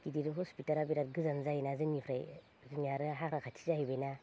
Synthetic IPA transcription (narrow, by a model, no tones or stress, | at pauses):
kidiɾɯɦɔspitaɾabiɾat̚ɡɯzanzajnazɯnipʰɾaj | zunjaɾɯɦakʰɾakʰatʰi̥zahibajna